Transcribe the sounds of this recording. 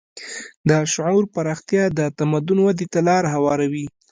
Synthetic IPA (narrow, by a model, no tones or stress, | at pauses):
d̪əʃʊʕuɾpaɾɑxt̪jɑd̪ət̪amad̪ʊnwad̪et̪alɑɾaɦawɑɾawi